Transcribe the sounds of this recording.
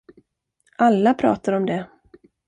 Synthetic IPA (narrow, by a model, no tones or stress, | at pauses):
ʔalːapʰɾɑ̰ːt̪aɾɔmd̪ɛ